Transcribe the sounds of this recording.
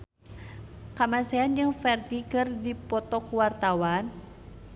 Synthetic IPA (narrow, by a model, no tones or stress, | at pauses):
kamasɛand͡ʒɨŋfɛrt̪ikɨrdipɔt̪ɔkuwart̪awan